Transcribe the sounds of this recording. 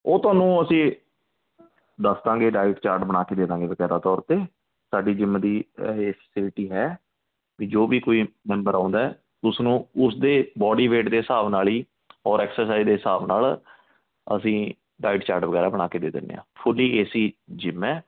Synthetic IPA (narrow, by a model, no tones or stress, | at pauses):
oːt̪ʊaːnũːəsĩː | d̪əsd̪ãːɡeːɖaːɪʈt͡ʃaːɾʈbəɽ̃aːkeːd̪eːd̪ãːŋɡeːʋəɡɛːɾaːt̪ɔːɾt̪eː | saːɖiːd͡ʒɪmːd̪iːɦeːpʰɛːsɪlʈiːɦɛː | kiːd͡ʒoːbiːkoːiːmɛ̃ːmbəɾãːʊnd̪aɛ | ʊsnũːʊsd̪eːbɔːɖiːʋeːʈd̪eːɦɪsaːbnaːliː | ɔːɾɛːksɛːs̬aːizd̪eːɦɪsaːbnaːl | ə̰sĩː | ɖaːɪɖt͡ʃaːɾʈʋəɡɛːɾaːbəɽaːkeːd̪eːd̪ɪ̰nːḛːã̰ːpʰʊliːeːsiːd͡ʒɪmːɛ̃ː